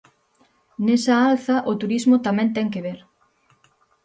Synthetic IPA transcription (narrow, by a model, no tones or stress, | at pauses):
nesɐalθɐʔot̪uɾizmʊt̪amɛ̃nt̪ɛŋkeβeɾ